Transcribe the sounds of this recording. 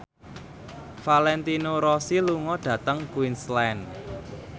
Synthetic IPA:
falɛnt̪inoɾɔsiluŋɔɖ̥ä̤t̪əŋkwinslan

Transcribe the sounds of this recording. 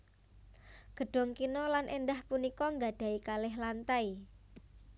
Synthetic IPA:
ɡ̥ə̤ɖ̥ɔ̤ŋkinɔlanʔend̪ahpunikɔŋɡa̤ɖ̥a̤ikalɪɦlant̪ai

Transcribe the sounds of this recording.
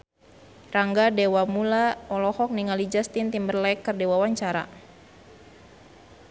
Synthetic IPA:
raŋɡadewamulaɔlɔhɔk̚niŋalid͡ʒast̪int̪imbərlaɛkːərdewawaɲt͡ʃaɾa̰

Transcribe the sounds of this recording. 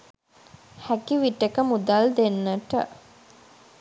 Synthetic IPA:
hækiʋiʈekəmud̪ald̪enːəʈə̰

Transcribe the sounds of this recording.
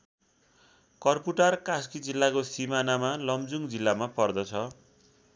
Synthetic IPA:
kʌrpuʈʌrkaskid͡zilːakosimanamalʌmd͡zuŋd͡zilːamapʌrd̪ʌt͡sʰʌ

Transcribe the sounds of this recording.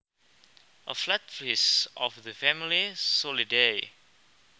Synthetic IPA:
ʔəflat̚flisɔfðəfæmilisɔlide

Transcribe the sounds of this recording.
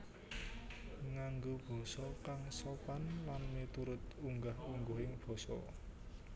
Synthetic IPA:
ŋaŋɡob̥ɔ̤sɔkaŋsɔpanlanmet̪uɾʊt̪̚uŋɡahuŋɡoɦɪŋb̥ɔ̤sɔ̰

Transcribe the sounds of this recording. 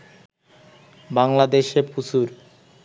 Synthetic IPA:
baŋlad̪eʃeput͡ɕuɾ

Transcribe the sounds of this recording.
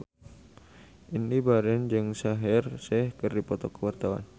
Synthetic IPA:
ʔinibaɾɛnd͡ʒɨŋsaɦɛrsɛhkɨrdipɔt̪ɔkːəwart̪awa̰n

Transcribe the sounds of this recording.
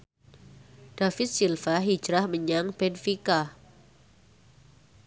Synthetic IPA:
d̥afɪt̪̚silfaɦi̥d͡ʒɾahməɲaŋb̥ɛnfika

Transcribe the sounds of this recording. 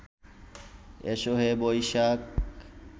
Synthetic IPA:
ḛʃoɦebojʃak

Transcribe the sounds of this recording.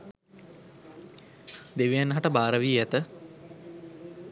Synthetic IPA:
d̪eʋijanːɦaʈəbaːɾəʋiːæt̪ə

